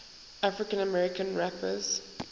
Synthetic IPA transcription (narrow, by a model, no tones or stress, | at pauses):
afɹɪkə̃nəmɛɹɪkə̃nɹapʰəz̥